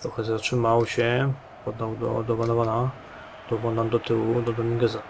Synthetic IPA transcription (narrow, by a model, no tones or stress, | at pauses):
t̪ɾɔxɛzatʂɘmawɕɛ | pɔd̪ːawd̪ɔ̰d̪ɔvanɔvana | d̪̥ɔvɔnd̪and̪ɔt̪ɘwud̪ɔd̪ɔmʲiɡɛza